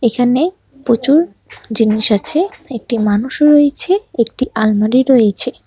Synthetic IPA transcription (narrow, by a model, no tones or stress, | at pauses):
ekʰane | pɾot͡ɕuɾ | d͡ʑiniʃat͡ɕʰeek̚ʈimanuʃɾojet͡ɕʰeek̚ʈiʔalmaɾiɾojet͡ɕʰe